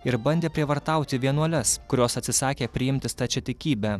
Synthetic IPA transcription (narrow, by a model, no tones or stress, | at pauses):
ɪɾbɐnʲd̪ʲeːpʲɾʲiɛʋɐɾt̪ɑˑʊt̪ʲɪʋʲiɛnuɔlʲɛskʊɾʲoːsɐt̪ʲsʲɪsɑːkʲeːpʲɾʲɪjɪmʲt̪ʲɪst̪ɐt͡ʃʲɛt̪ʲɪkʲiːbʲæː